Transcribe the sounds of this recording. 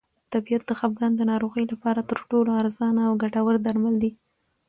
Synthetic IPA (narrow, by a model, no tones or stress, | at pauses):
t̪abijat̪d̪əxap̚ɡɑnd̪ənɑɾoɣəjlapɑɾat̪əɾʈoloaɾzɑnaːwɡaʈawəɾd̪aɾmald̪i